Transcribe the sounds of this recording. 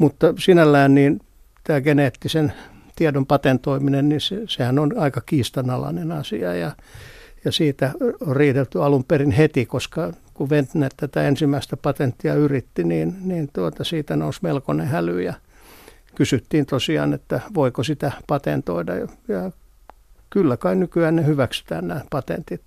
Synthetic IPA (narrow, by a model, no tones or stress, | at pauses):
mut̪ːɑsinælːæːnniːn | t̪æːɡeneːt̪ːisen | t̪iedompɑt̪ent̪oiminennisesehænonɑikɑkiːst̪ɑnɑlɑ̰nenɑsiɑjɑ | jɑsiːt̪æoriːt̪et̪ːyɑlumperinhet̪ikoskɑ | kuʋent̪nett̪æt̪æensimːæist̪æpɑt̪ent̪ːiɑyrit̪ːiniːnniːnt̪uot̪ɑsiːt̪ænousmelkonehælyːjɑ | kysyt̪ːiːnt̪osiɑ̰ːnet̪ːæʋoikosit̪æpɑt̪ḛnt̪o̰idɑ̰jɑ | kylːækɑinnykyæːnnehyʋæksy̥t̪æ̰ːnnæːpɑt̪ḛnt̪it̪